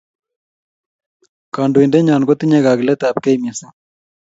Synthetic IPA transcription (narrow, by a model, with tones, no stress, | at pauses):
ka˨ndo˨indɛ˦ɲa˨nɡo˦t̪i˦ɲɛ˦ɣa˨ɡlɛ˦t̪a˨p̚kɛ˦jma˨sa˦